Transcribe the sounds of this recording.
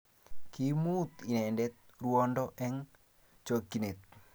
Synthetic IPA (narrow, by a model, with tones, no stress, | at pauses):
kimut̪i˨nɛ˨ndɛ˦t̪̚ruɔndɔʔɛ˦ŋ | t͡ʃokːi˨ne˨t̪̚